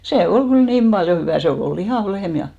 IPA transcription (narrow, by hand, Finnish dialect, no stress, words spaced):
se ol ɡ̊yl niːm b̥ɑljo hyʋæˑ se ol ol lihɑˑʋ lehm jɑ